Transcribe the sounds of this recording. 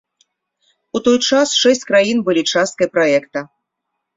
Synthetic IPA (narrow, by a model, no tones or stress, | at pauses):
ut̪ɔjt͡ʂasʂɛsʲt͡sʲkɾajinbɨlʲit͡ʂast̪̚kɐjpɾaɛkt̪ɐ